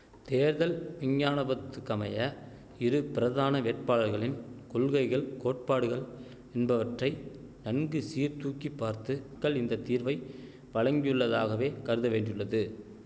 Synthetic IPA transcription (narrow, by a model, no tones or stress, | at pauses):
t̪eːɾðɐlʋɪɲjaːnɐbɐt̪ːɯkːɐmɐjɐ | ɪɾɯpɪɾɐðaːnɐʋeːʈpaːlɐɾɣɐɭɪnkʊɭɣɐɪɣɐɭkoːʈ̚paːɽɯɣɐɭ | ɛnbɐʋɐʈrɐɪ | nɐnɡɯsiːɾt̪uːkːipːaːɾt̪ɯkːɐɭɪnd̪ɐt̪ːiːɾʋɐɪ | ʋɐɻɐŋɡɪjɯɭːɐðaːɣɐʋeːkɐɾɯðɐʋeːɳɖrɪɯɭːɐðɯ